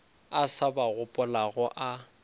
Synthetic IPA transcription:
asabaɣʊpʼʊlaɣʊʔa

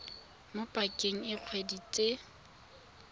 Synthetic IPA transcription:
mopʼakʼeŋ̩ɪq͡χʰwedit͡sʼe

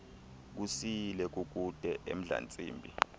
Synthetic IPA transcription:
k̬usilɛk̬ʼuk̬ʼud̥ʱɛʔḛm̩ɮa̰nt͡sʼḭːmbʱi

